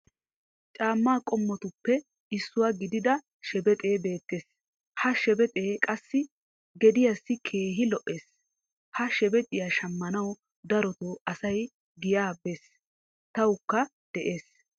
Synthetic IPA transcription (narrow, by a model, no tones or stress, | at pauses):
t͡ʃʼaːmːaːkʼɔmːɔt̪ʊpːɛ | ɪsːʊwaːɡɪd̪ɪd̪ɐ | ʃɛbɛt̪ʼe̞ːbe̞ːt̪ːe̞ːs | hɐʃɛbɛt̪ʼeːkʼɐsːɪ | ɡɛd̪ɪjasːɪkʰe̞ːɦɪlɔʔʔe̞ːs | hɐʃɛbɛt̪ʼɪjaːʃɐmːɐnɐw | d̪ɐɾɔt̪oːɐsɐj | ɡɪjaːbe̞ːs | t̪ɐwʊkːɐ | d̪̥ɛʔe̞ːs